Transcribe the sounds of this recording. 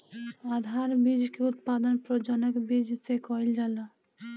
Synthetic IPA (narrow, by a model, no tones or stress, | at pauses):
ad̪ʱaɾbid͡ʒkeut̪pad̪ənpɾɔd͡ʒɔnəkbid͡ʒsekɔild͡ʒala